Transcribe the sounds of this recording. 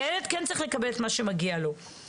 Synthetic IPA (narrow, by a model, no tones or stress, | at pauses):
eled̪̚kent͡saʁiχlekabelet̪maʃemaɡialo̞